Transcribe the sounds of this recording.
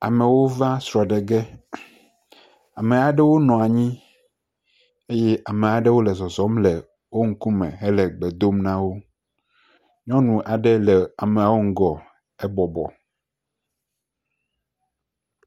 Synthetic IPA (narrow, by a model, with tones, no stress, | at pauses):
a̰˨me˨wo˦va˦sɾɔ˨ɖe˨ɡɛ˦ | a˨me˨a˨ɖɛ˦wo˦nɔ̃˨a˨ɲĩ˦ | e˦jɛ˦ʔa˨me˨a˨ɖe˦wo˦lɛ˨zɔ˨zɔ˨˦mle˨ | wo˦ŋ̩˦ku˦mḛ̃˨ɦe˦lɛ˨ɡ͡be˨d̪o˦mnã˦wo˦ | ɲɔ̃˦nũ˨ʔa˨ɖɛ˦lɛ˨a˨me˨a˨wo˦ŋ̩˦ɡɔ˨ | e˦bɔ˨bɔ̰˨